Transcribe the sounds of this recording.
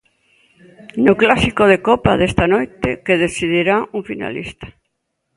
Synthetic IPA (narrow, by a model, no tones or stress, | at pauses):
noklasikoðekɔpaðest̪anojt̪ekeðeθiðiɾauŋfina̰lḭst̪ḁ